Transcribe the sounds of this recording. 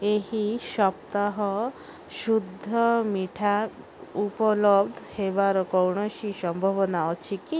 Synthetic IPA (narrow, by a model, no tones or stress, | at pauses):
eɦiʃɔpt̪aɦɔ | ʃud̪ʱːɔmiʈʰa | upɔlɔbd̪ʱɔhebaɾɔkɔwɳ̃ɔʃiʃɔmbʱɔbɔnaɔt͡ʃʰiki